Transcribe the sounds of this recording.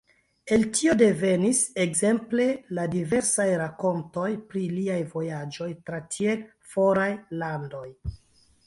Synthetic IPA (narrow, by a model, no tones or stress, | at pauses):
e̞ltʰio̞de̞ve̞nise̞kze̞mple̞ladive̞ɾsajɾako̞nto̞jpɾiliajvo̞jad͡ʒo̞jtɾatʰiel | fo̞ɾajlando̞j